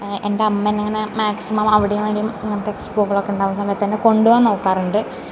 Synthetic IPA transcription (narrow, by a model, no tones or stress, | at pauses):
ende̞ɐmːeneŋːɐnemaːksimɐmɐʋiɽejumʋeːɳɖijumŋːɐnt̪eksboːkːɐɭo̞kːeuɳɖaːʋɐmsaːmet̪ːɐnːeko̞ɳɖuʋaːno̞ːkːaːruɳɖɨ